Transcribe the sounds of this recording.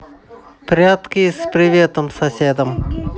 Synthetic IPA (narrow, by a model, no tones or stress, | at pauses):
pɾʲat̪kʲɪspɾʲɪvʲet̪əmsɐsʲed̪əm